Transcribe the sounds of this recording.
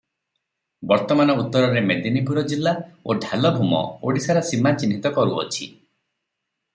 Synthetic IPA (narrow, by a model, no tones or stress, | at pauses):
bɔɾt̪ɔmanɔut̪ːɔɾɔɾemed̪inipuɾɔd͡ʒilːaoɖʱalɔbʱumɔ̰oɽisaɾasimat͡ʃinːit̪ɔkɔɾuɔ̰t͡ʃʰi